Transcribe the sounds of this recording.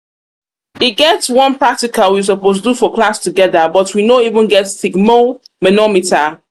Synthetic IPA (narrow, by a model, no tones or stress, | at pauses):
iɡɛtswʌ̃npɹ̥ak̚tikalwis̬əpostudufɔklastuɡɛðəbʌtwinoivə̃nɡɛtsiɡmomɛnɔmita